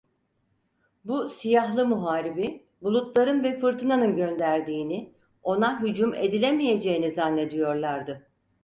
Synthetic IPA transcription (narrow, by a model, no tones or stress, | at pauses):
busijaɦlˠɯmuɦaːɾibi | bulˠut̪lˠaɾɯnvɛfɯɾt̪ʰɯnanɯnɟø̞nd̪æɾd̪iːni | o̞naɦyd͡ʒume̞d̪ilʲemije̞d͡ʒe̞jinizanːe̞d̪ijo̞ɾlˠaɾd̪ɯ